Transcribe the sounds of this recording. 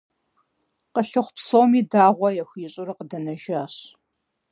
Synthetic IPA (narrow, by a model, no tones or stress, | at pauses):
qəɬɨχʷpsowmiːdaːʁʷɔjɛxʷiːɕʼʊrɨqədɐnɐʒaːɕ